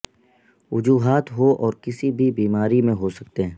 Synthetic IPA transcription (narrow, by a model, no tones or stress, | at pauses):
wʊd͡ʒuːɦaːt̪ɦoʔɔːɾkɪsibʱibiːmaːɾimẽɦosɐk̚t̪eɦɛ̃ː